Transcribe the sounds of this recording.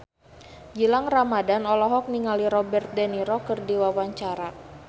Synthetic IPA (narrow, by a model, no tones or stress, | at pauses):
d͡ʒilaŋramadanɔlɔɦɔk̚niŋaliɾɔbɛrt̪̚dɛniɾɔkərdiwawaɲt͡ʃaɾa